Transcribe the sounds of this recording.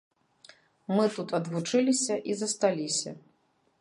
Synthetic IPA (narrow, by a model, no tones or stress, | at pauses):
mɨt̪ut̪ɐd̪vut͡ʂɨlʲisʲɐʔizɐst̪alʲisʲɐ̰